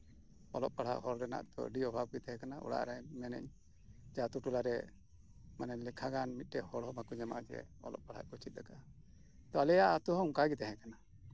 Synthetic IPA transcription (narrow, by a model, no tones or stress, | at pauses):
ɔlɔp̚paɽ̤a̰ʔɦɔɾɾɛna̰ʔt̪ɔ̰ɖiɔbʱab̚ɡit̪ɛɦɛ̃kanaʔṵɽa̰ʔɾamɛnɛ̰ɲ | d͡ʒat̪uʈulaɾɛ | manɛɲlɛkʰaɡanmit̪̚ˀʈɛhɔɽɔmakuɲɛma̰ʔd͡ʒɛ̰ɔ̰lɔ̰p̚paɽ̤a̰ʔkɔt͡ʃʰit̪̚ˀdaka | t̪ɔalɛjaʔat̪uɦɔŋkaɡit̪ɛɦɛ̃kana